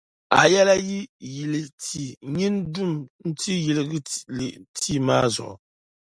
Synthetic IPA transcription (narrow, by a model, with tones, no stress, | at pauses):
a̰˨jɛ˦la˦ji˦ji˨lɨ˨tʰi˨ɲi˦ndu˦mn̩˦ti˦ji˨lɨ˨ɡɨ˦li˨ʔtʰi˦˨maː˦zɔ̰˨ʔʊ̰˨